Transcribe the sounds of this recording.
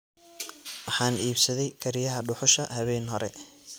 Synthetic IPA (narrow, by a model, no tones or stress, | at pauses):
wɑħɑːniːbsɐðɛjkʰɐɾɪjɐɦɐɖʊħʊʃɐhɐβɛːnɦɔɾɛ̰